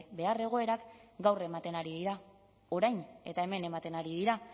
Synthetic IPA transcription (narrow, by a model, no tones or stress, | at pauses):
be̞are̞ɣ̞o̞e̞ɾakɡawre̞mat̪e̞naɾiðiɾa | o̞ɾajne̞t̪ae̞me̞ne̞mat̪e̞naɾiðiɾa